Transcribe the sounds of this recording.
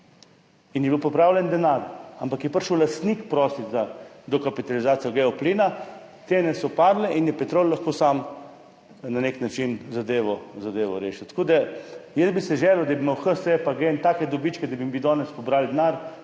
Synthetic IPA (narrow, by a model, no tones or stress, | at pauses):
injɛbiwpɔpɾaːwlʲɛnd̪ɛnaɾampakjɛpəɾʃəwlast̪nikpɾɔːsizad̪ɔkapit̪alizaːt̪sijɔɡɛɔpliːna | t̪enɛsɔpaːdlɛʔinjɛpɛt̪ɾolːaxkoːsam | naneknat͡ʃinzad̪eːʋɔzad̪eːʋɔɾḛːʃɛt̪ḁkoːd̪ajɛzbisɛʒɛːlɔd̪abimawxəsepaɡent̪aːkɛd̪ɔbit͡ʃkɛd̪abimbid̪ɔːnɛspɔbɾald̪naɾ